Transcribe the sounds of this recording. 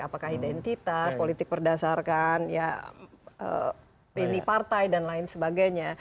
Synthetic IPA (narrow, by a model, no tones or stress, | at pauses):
apakahidɛnt̪it̪aspolit̪ɪk̚bərdasarkanja | ə̰ | inipart̪ajdanlaɪnsəbaɡajɲa